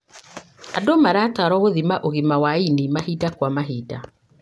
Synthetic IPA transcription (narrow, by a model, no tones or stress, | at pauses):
adomaɾaːtaɾɔɣoðimaʔoɣimawainimahiːdakwamaɦiːda